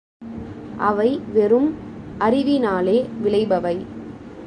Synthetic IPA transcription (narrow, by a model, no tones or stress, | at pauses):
ʔɐʋɐɪʋɛrɯmʔɐrɪʋɪnaːleːʋɪɭɐɪbɐʋɐɪ